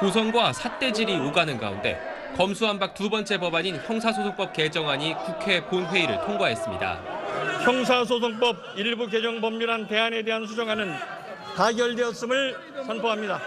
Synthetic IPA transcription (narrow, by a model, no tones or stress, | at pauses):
kos̬ʰʌŋɡwasʰat͈e̞d͡ʑiɾiuɡanɯnɡa̰ṵnde̞̰ | kʌmsʰuɦanbak̚tubʌnt͡ɕ͈e̞pʌbaɲinçjʌŋsʰasʰosʰoŋp͈ʌp̚ke̞d͡ʑʌŋɦaɲikukʰe̞ponɸwe̞iɾɯ̰ɭtʰoŋɡwaɦe̞s͈ɯmɲḭda̰çjʌŋs̬ʰas̬ʰos̬ʰoŋp͈ʌb̚iɭbuke̞d͡ʑʌŋbʌmːuɾante̞ane̞de̞ɦansʰud͡ʑʌŋɦanɯn | taɡjʌɭdeʌs͈ɯmɯɭ | sʰʌnpʰoɦamɲida